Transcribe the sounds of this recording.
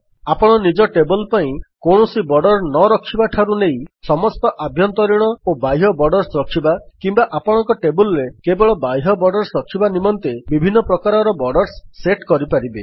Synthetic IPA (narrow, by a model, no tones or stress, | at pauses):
apɔɽ̃ɔnid͡ʒɔʈebɔlpaĩkoɳ̃ɔsibɔɖɔɾnɔɾɔkʰibaʈʰaɾunejsɔmɔst̪ɔʔabʱjɔnt̪ɔɾiɽ̃ɔobajɦɔbɔɖɔɾsɾɔkʰibakimbaʔapɔɽ̃ɔŋkɔʈebulɾekebɔɭɔbajɦɔbɔɖɔɾsɾɔkʰibanimɔnt̪ebibʱinːɔpɾɔkaɾɔɾɔbɔɖɔɾsːeʈkɔɾipaɾibe